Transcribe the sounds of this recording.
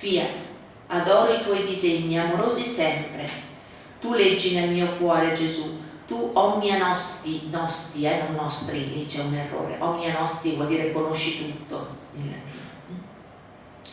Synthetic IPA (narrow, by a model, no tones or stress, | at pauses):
fiːat̪ | ad̪ɔːɾoit̪wɔjd̪izeɲːiamoɾoːzisɛmpɾe | t̪ulɛd͡ʒːinelmiːokwɔːɾed͡ʒezut̪uʔɔɲːianɔst̪inɔst̪ianonnːɔst̪ɾilit͡ʃɛunerːo̰ːɾḛʔɔɲːianɔst̪ivwɔld̪iːɾekonoʃːit̪ut̪ːo̰inla̰t̪ːḭːa